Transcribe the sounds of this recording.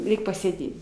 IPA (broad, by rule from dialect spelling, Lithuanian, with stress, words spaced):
ˈrʲɛɪkʲ pɐsʲeːˈdʲeːt